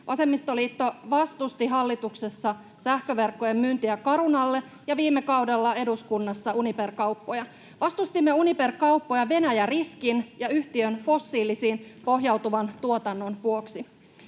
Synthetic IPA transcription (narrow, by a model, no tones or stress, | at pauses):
ʔɑse̞mːist̪o̞liːt̪ːo̞ʋɑst̪ust̪iɦɑlːit̪ukse̞sːɑ | sæhkø̞ʋe̞rkːoje̞mːynt̪iækɑɾunɑlːe̞ | jɑʋiːmːekɑwdelːɑe̞duskunːɑsːɑuniperkɑwpːo̞jɑ | ʋɑst̪ust̪imːe̞unipe̞rkɑupːo̞jɑʋe̞næjæriskinjɑyht̪iønfo̞sːiːlisiːnpo̞ɦjɑwt̪uʋɑnt̪uot̪ɑnːo̞nʋuoksi